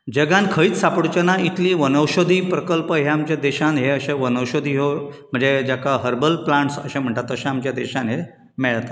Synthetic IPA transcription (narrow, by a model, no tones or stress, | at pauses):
d͡ʑəɡãnkʰəiːt͡ssapɽut͡ɕənait̪liːʋənəwɕod̪ʱiːpɾəkəlpəɦeamt͡ɕjad̪eɕãnɦeəɕẽʋənəwɕod̪ʱiːɦom̤əɳd͡zed͡ʑjakaɦəɾbəlplãɳʈsə̰ɕẽm̤əɳʈ̪at̪əɕãamt͡ɕjad̪eɕãnɦe | mɛɭt̪ḁ